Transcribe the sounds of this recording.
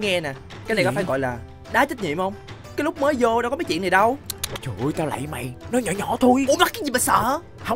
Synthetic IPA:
ŋɛ˧nɛ˨˩ | kaː˨˦na˨˩kɔ˨jfaː˧˦jɣɔ̰˧˨jlaː˨˩ | ɗaː˨˦t͡ɕə˦˥t̚ɲḭ˧˨mhə˧wŋ͡m | kaː˨˦jlʊ˦˥k͡p̚məː˨˦jzo˧ɗkɔ˨˦maː˨˦t͡ɕḭ˧˨ənːa˨˩ɗə˧wt͡ɕu˨˩˨jt̪aː˧wla̰˧˨jma̰˨˩jnɔ˨˦ɲɔ˧˩ɲɔ˧˩˦t̪ʰu˧jo˧˦la˦˥kaː˨˦zi˨˩maː˨˩sə̰ː˧˨ | hə˧˨

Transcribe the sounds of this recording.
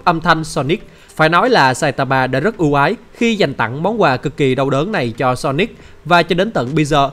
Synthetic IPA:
ʔə˧mt̪ʰa˧jŋ̟sɔ˧ni˦˥k̚ | faː˧˩jnɔ˨˦jlaː˨˩saː˧jt̪aː˧ɓaː˧˩ɗa̰ː˧˥zə˦˥t̚ʔu˨˧˦wʔaː˨˦j | xi˧za˨˩jŋ̟t̪a̰˧˨ŋmɔ˨˦ŋ͡mkwaː˨˩kɨ˨˩kːi˨˩ɗə˨˩wɗəː˨˦nna˨˩jt͡ɕɔ˧sɔ˧ni˦˥k̚ | vaː˨˩t͡ɕɔ˧ɗe˨˦nt̪ə̰˧˨nɓə˧jzəː˨˩

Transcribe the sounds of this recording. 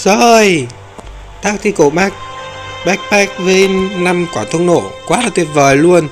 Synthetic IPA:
zo˧˩˧j | t̪ʰaː˦˥k̚t̪ʰi˧˩ko˧˩ma˦˥k̚ɓa˦˥k̚ɓɛ˦˥k̚vəː˨˦jna˧mkwaː˧˩t̪ʰə˧ŋno̰˧˩kwaː˨˦la˨˩t̪i˨˩əp̚vəː˨˩jlu˧ən

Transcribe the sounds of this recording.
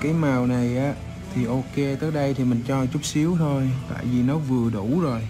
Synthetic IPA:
kaː˨˦jmaː˨˩wna˨˩jʔaː˨˦ | t̪ʰi˨˩ʔo˧ke˧t̪əː˦˥ɗə˧jt̪ʰi˨˩mï˨˩ŋ̟t͡ɕɔ˧t͡ɕu˦˥k͡p̚si˨˦əwt̪ʰo˧jt̪a̰ː˧˨jvi˨˩nɔ˨˦vɨ˨˩əɗu˧˩˨zo˨˩j

